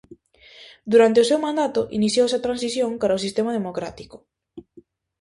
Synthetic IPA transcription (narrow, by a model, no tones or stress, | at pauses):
d̪uɾant̪eʊsewmãnd̪at̪ʊʔḭniθjowɛsɐt̪ɾansiθjoŋkaɾaos̬ist̪emað̞emokɾat̪i̥kʊ̥